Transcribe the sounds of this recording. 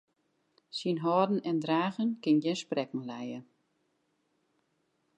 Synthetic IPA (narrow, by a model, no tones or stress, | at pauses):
sinɦɔːdn̩ɛndraːɣənkɪnjɛnsprɛkŋ̩lɛjə